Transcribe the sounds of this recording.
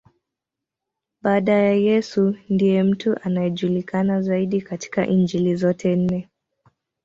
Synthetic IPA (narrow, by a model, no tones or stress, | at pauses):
ɓaːɗajajɛsundijɛm̩tuʔanajɛʄulikanazaiɗikati̥ka̰ʔiɲd͡ʒilizɔtʰɛn̩nɛ